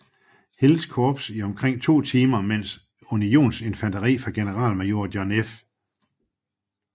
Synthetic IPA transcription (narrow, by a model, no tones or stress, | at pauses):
he̝lskʰɔːb̥siɒ̽mkʰʁeŋ̰t͡sʰo̝̰ːt͡sʰiːmɐmen̰s | unio̝̰ːnse̝nfændɐʁḭːfʁɑ̈ɡ̥e̝nəʁɑ̰̈ːlmæo̝ɐ̰d̥jɒnef